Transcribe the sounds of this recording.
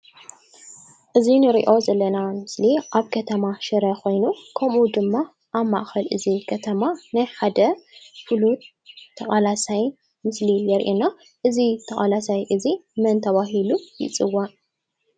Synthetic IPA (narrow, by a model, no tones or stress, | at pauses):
ʔɨzinɨɾḭʔo̞zɐlːɐnamɨsliʔaβkʰɐt̪ʰɐmaʃɨɾɐxo̞jnukʰɐmud̪ɨmːa | ʔaβma̰ʔxɐlʔɨzikʰɐt̪ʰɐmanajħad̪ɐfɨlut̪ʰː | ɐkʼalasaj | mɨslijɛɾʔina | ʔɨzit̪ʰɐχʼalasajʔɨzimɐnt̪ʰɐβaɦilujɪ̰t͡sʼɨwːan